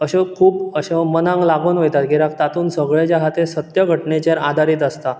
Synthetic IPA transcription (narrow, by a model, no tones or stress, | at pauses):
əɕekʰuːpəɕemənãŋɡlaɡʱonʋejt̪at̪ɡʱeɾak̚t̪at̪uːnsəɡɭed͡ʑaɦat̪esət̪jəɡʱəʈɳet͡ɕaɾad̪ʱaɾiːt̪əst̪a